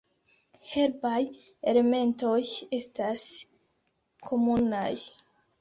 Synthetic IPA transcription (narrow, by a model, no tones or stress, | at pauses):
heɾbaj | ele̞me̞nto̞je̞stas | kʰo̞munaj